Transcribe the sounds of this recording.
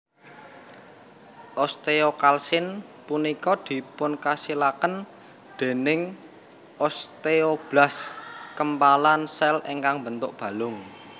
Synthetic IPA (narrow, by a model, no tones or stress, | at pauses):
ʔɔst̪eokalsɪnpunikɔd̪̥i̤pʊnkasilakən | d̪̥e̤nɪŋ | ʔɔst̪eob̥laskəmpalansɛleŋkaŋbənt̪ʊʔ̚b̥ä̤lʊŋ